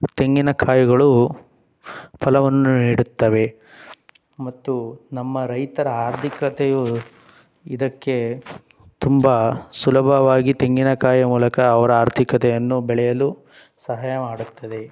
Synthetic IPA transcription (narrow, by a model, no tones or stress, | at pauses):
t̪e̞ŋɡinɐkʰaːjuɡɐɭu | pʰɐlɐʋɐnːuniːɽut̪ːɐʋe̞ | mɐt̪ːunɐmːɐɾɐjt̪ɐɾɐaːɾt̪ʰikɐt̪eju | id̪ɐkːe̞ | t̪umbɐsulɐbʱɐʋaːɡit̪e̞ŋɡinɐkʰaːjɐmuːlɐkɐːʋɐɾɐaːɾt̪ʰikɐt̪ɛjɐnːubɛɭɛjɐlu | sɐɦaːjɐmaːɽut̪ːɐd̪e̞